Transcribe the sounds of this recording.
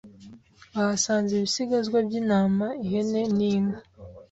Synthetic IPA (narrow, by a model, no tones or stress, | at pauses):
ahasaːnzeβisiɡazɡwabɟinaːmaihene̞niːne